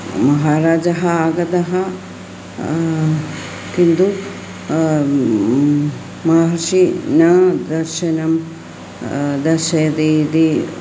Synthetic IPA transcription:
mɐɦaːɾaːd͡ʒɐɦɐaːɡɐd̪ɐɦɐ | kind̪u | maɦɐɾʃinɐd̪ɐɾʃɐnɐm | d̪ɐɾʃɐjɐd̪id̪i

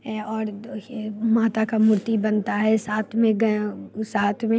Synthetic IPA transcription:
ɔːɾ | maːt̪akamʊɾt̪ibɐnt̪aɦɛsaːt̪ʰmẽɡɐsaːt̪ʰmẽ

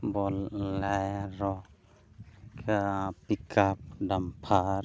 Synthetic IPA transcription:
bɔlajɾɔ | kpikʰap̚dampʰaɾ

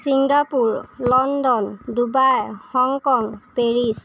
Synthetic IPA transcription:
siŋɡapuɹlɔndɔndubajhɔŋkɔŋpeɹis

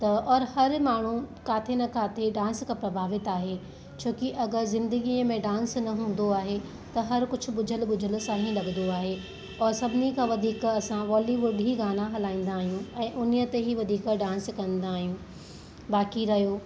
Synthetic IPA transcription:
t̪ɐɔːɾhɐɾmaːɳ̤ũkaːt̪ʰenɐkʰaːt̪ʰeɖãːnskʰãːpɾɐbʱaːʋɪt̪aːɦe | t͡ɕʰoːkiʔɐɡəɾzɪ̃nd̪əɡiːəmẽɖãːnsnɐɦũːn̆d̪oaːɦe | t̪ɐɦɐɾkʊd͡ʑʰʱʊ̆ɓʊd͡ʑʱəlɓʊd͡ʑʱəl̆saːɦĩlɐɡənd̪oaːɦe | ɔːɾsɐbʱɪnikʰãːʋɐd̪ʱiːkɐsãʋɔːliʋʊɖʱiɡaːnãɦɐlaːĩːn̆d̪aːɦijũɛ̃ːʔʊnijət̪eɦiʋɐd̪ʱiːkɖãːnskɐ̃nd̪aːɦijũ | baːkiɾɐɦjoː

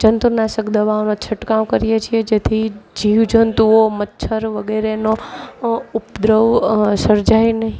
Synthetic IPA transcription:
d͡ʒənt̪unaʃəkd̪əʋaonot͡ʃʰəʈkaʋkəɾijet͡ʃʰied͡ʒet̪ʰid͡ʒiʋd͡ʒənt̪uomətːʃʰəɾʋəɡeɾeno | upd̪ɾəʋsəɾd͡ʒajnəɦĩ

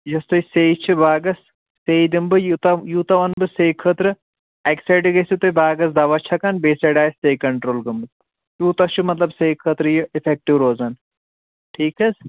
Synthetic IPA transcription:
jɐst̪ɐjseit͡ʃʰibaːɡɐsː | ejd̪imbɨjut̪ɐjut̪ɐʋɐnbɨsejkʰəːt̪ɾɨ | ɐksɐjɖɨɡɐsut̪ɐbaːɡɐs̬d̪ɐʋɐt͡ʃʰɐkɐnbeːsɐɖaːjssejkɐɳʈɾoːlɡɐmbɨ | juːt̪ɐt͡ʃumɐt̪lɐbsejkʰəːt̪ɾɨjiifʰek̚ʈiʋɾoːzɐn | ʈʰiːkɐs

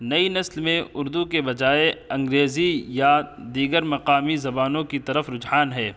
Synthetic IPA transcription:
nɐinɐslmẽʊɾd̪ukebɐd͡ʒaːeɐ̃ŋɡɾeːzijad̪iːɡəɾmɐqaːmizɐbaːnõkit̪ɐɾəfɾʊd͡ʒɦaːnɦɛː

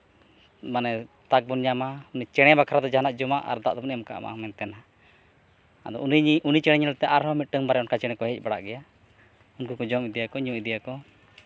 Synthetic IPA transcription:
manɛ | t̪ak̚bunɲamaunit͡ʃɛɽ̃ɛbakʰaɾad̪ɔd͡ʒaɦanaʔd͡ʒɔmaʔa̰ɾd̪a̰ʔd̪ɔmunɛmka̰ʔma̰mɛnt̪ɛna | ad̪ɔ̰unit͡ʃɛɽɛɲɛlt̪ɛʔaɾhɔmit̪̚ʈəŋbaɾɛɔnkat͡ʃɛɽ̃ɛkɔɦɛc̚ˀbaɽa̰ʔɡɛja | unkukɔd͡ʒɔmid̪ɛjakɔɲũʔid̪ɛjakɔ

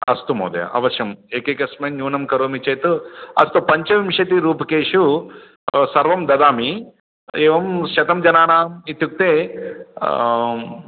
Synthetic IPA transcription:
ɐ̰st̪umo̰ːd̪ɐ̰jɐ̰ʔɐ̰ʋɐʃjɐmeːkekɐsmeːnɲjuːnɐmkɐɾoːmit͡ʃeːt̪uɐ̰st̪upɐɲt͡ʃɐʋimʃɐt̪̬iɾuːpɐkeːʂu | sɐɾʋɐmd̪ɐd̪aːmi | eːʋɐmʃɐt̪ɐmd͡ʒɐnaːnaːmit̪juk̚t̪eː

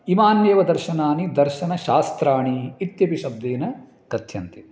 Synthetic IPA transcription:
imaːnjeːʋɐd̪ɐɾʃɐnaːnid̪ɐɾʃɐnɐʃaːst̪ɾaːɳiːt̪jɐpiʃɐb̚d̪eːnɐ | kɐt̪ʰjɐnt̪i

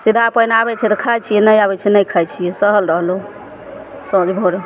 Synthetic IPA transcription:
sid̪ʱapəjnabɛt͡ʃʰɛt̪ɔkʰajt͡ʃʰijɛnəjabɛt͡ʃʰɛnəjkʰajt͡ʃʰijɛsəɦəlɾəɦlo | sõd͡ʒbʱoɾ

